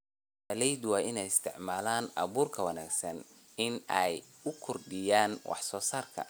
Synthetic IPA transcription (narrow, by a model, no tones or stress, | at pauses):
ɐlɛjd̪wɑːʔɪnɛjɪst̪ʰɪʕmaːlaːnʔɐ̰βuːrkʰɐwɐnaːɡsɐn | ɪnɛj | ʊkʰɔrɖɪjaːnwʔɑ̰ħsɔːsaːrkʰɐ̰